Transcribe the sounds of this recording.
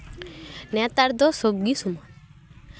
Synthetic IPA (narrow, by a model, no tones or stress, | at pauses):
nɛt̪aɾd̪ɔsobɡisumɔn